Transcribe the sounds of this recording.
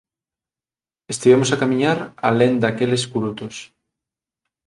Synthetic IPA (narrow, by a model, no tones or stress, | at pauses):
est̪iβemosakamĩɲaɾa̰lend̪akeleskuɾut̪os